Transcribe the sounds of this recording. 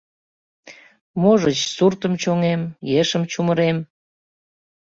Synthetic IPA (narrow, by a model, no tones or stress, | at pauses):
moʒət͡ɕsurt̪əmt͡ɕoŋemjeʃəmt͡ɕuməɾem